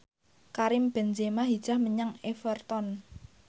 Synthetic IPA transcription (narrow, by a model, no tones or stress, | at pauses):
kaɾɪmb̥ɛ̤nd͡ʒemaɦid̥ʒ̥a̤hməɲaŋefərt̪ɔn